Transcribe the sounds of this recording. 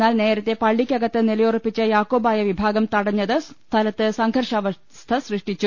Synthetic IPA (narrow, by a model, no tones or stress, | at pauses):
nːaːlne̞ːɾɐt̪ːe̞pɐɭːikʲːɐɡɐt̪ːɨnelɐjorupːit͡ɕːɨjaːkːoːbaːjɐʋibʱaːɡɐmt̪ɐɽɐɲːɐðɨt̪ʰɐlɐt̪ːɨsɐŋɡʱɐrʂaːʋɐ | st̪ʰɐsrɨʂʈit͡ɕːu